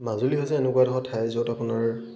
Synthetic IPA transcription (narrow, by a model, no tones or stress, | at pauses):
mazuliɦɔjzɛːnekuadɔɦɔtʰajzowtapʊnaɹ